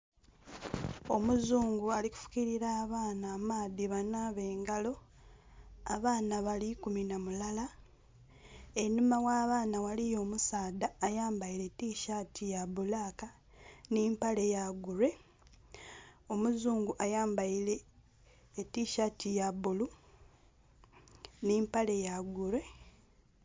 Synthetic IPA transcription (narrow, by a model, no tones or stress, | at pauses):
o̞muzuːŋɡualiku̥fu̥kiɾiɾaːβaːnaːmaːðiβanaβe̞ːŋɡalo̞ | aβaːnaβalikuminamulala | enːumawaːβaːnawalijo̞ːmusaːdaːjaːmbaile̞tiʃatʰijaβulaːka | niːmpale̞jaɡuɾe̞ | o̞muzuːŋɡuʔajaːmbaileː | tiʃatijaβulu | nimpale̞jaɡuɾe̞